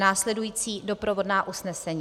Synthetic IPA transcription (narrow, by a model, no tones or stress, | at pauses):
naːslɛdujiːt͡siːdo̞pɾovo̞dnaːʔusnɛsɛɲi